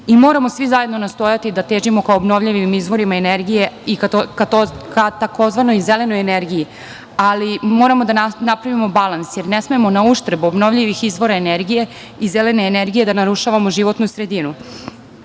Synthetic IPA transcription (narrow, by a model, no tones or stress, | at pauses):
imo̞ːɾamo̞sʋizaje̞d̪nonast̪o̞jat̪id̪at̪eːʒimo̞kaobno̞ʋʎiʋiimizʋo̞ɾimaeneɾɡije̞ikak̪okat̪ako̞zʋanojzele̞nojeneɾɡiji | alimo̞ɾamo̞d̪ananapɾaʋimo̞balˠansjeɾnesmemo̞nauʃt̪ɾebuobno̞vʎiʋixizʋo̞ɾaeneɾɡije̞ | izele̞neːneɾɡije̞d̪anaɾuʃaʋamo̞ʒiʋo̞t̪nusɾe̞d̪inu